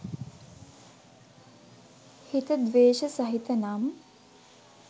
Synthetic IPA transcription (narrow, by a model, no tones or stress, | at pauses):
hit̪əd̪ʋeːʃəsɐɦit̪ənam